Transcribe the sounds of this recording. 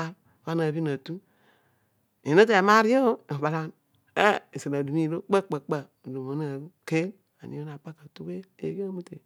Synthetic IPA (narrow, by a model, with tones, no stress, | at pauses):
a˦ | ka˦na˨bi˦na˨tu˦ | e˨no˦t̬e˨ma˦ɾi˦o˦o˦˨ba˨la˦n | e˦i˨si˨na˨du˨mi˦lo˦k͡pə˦k͡pə˨k͡pə˨do˨mo˨˦na˨u˦ke˦l | a˨nḭ˨˦o˦na˨pa˦kə˨tu˦ke˦ḛ˨˦ɡe˦mu˦te˨